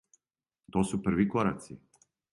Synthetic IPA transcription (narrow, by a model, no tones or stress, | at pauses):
t̪osupr̩ʋikoɾa̰t̪si